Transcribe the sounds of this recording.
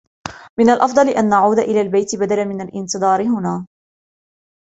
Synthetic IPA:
mɪnalʔɑfd̪ˤɑlɪʔanːaʕuːd̪aʔɪlaːlbajt̪ɪbad̪alamɪnalʔɪnt̪ɨd̪ˤɑːɾɪɦʊnaː

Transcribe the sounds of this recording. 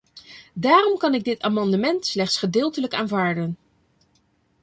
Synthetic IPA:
daːrɔmkɑnɪɡ̚dɪtaːmɑndəmɛntslɛχtsχədɪːlˠtələkaːnvaːɹdən

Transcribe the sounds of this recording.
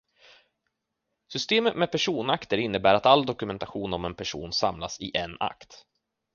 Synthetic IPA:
sʏst̪eːmət̪mɛpʰæʂuːnakt̪əɾɪnːəbæːɾat̪alːd̪ɔkɵmɛnt̪aɧuːnɔmɛnpʰæʂṵːnsa̰mlasɪʔɛna̰kt̪

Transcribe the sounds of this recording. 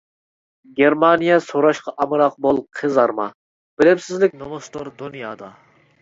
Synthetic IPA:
ɡʲeɾmɑnijɑsoɾɑʃqʰɑʔɑmɨɾɑq̚bolˠqʰəzɑɾmɑ̰ | b̥ɪlɪpsɪzlɪk̚ʲnomost̪oɾd̪unijɑːd̪ɑ

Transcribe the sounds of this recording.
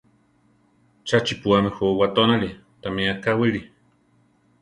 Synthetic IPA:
t͡ʃat͡ʃipuamɛxowat̪onali | t̪amiakawiɺi

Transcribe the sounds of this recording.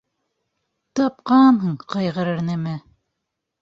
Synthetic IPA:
t̪ɑp̚qɑnɦɤɴqɑjʁɤ̆ɾɘ̆ɾnɘmɘ

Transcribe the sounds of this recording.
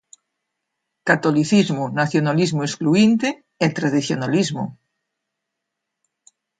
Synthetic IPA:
kat̪oliθizmʊnaθjonalizmoeskluint̪e | ɛt̪ɾaðiθjonalizmo̰

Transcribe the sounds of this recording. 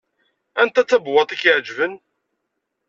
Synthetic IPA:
ænt̪æt͡sːæbwɑt̪ˤikʕd͡ʒvən

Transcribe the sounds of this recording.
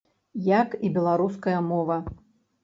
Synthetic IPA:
jakibʲɛlˠaɾuskɐjɐmɔvɐ

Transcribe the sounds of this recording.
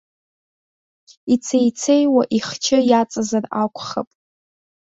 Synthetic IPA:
it͡sʰejt͡sʰejwaʔiχt͡ʃʰɪjat͡sʼazarakʷʰʼχa̰pʼ

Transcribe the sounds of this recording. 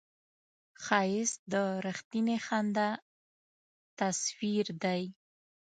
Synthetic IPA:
xɑjɪsd̪əɾəxt̪inexand̪a | t̪aswiɾd̪aj

